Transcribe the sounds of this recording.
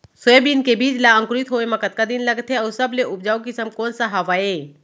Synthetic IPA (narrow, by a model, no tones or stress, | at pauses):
soebinkebiːt͡ʃlaə̃ŋkʊɾɪt̪ɦoːemɐkət̪̚kad̪ɪnlɐɡt̪ɦeɔːɾsɐbleʔʊp̚d͡ʒaːokɪsəmkɔːnsaɦɐʋaːeː